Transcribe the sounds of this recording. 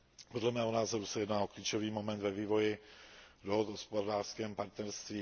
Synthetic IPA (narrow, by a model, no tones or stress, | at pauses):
podlɛmɛːɦonaːzoɾusɛjɛdnaːokliːt͡ʃoviːmomɛnt̪vɛviːvo̞jɪdoɦod̪ɦospodaːʃskɛːmpaɾt̪nɛɾst̪viː